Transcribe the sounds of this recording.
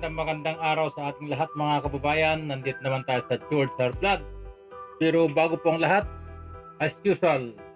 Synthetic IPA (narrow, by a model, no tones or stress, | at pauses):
d̪aŋmɐɡɐnd̪aŋaːɾɐwsɐʔaːt̪ɪŋlɐɦat̪̚mɐŋakɐbɐbaːjɐnːɐnd̪ɪt̪̚nɐmant̪aːjosɐd͡ʒuld̪sɐɾblad̪̚ | pɛːɾobaːɡʊpoŋlɐɦat̪̚ʔɐjsjuːsʊal